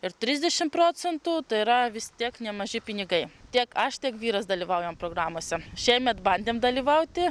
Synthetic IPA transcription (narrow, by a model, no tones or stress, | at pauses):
ɪɾt̪ʲɾʲɪzd̪ʲɛʃʲɪmpɾoːt͡s̪ʲɛnt̪uːt̪ɐɪɪɾɐʋʲɪst̪ʲiɛknʲɛmɐʒʲɪpʲɪnʲɪɡɐɪt̪ʲiɛkɐʃt̪ʲiɛkʋʲiːɾɐsd̪ɐlʲiːʋɐʊjɛmpɾoːɡɾɑːmoːsʲɛʃʲɛɪmʲɛt̪bɐnʲd̪ʲeːmd̪ɐlʲiːʋɐʊt̪ʲɪ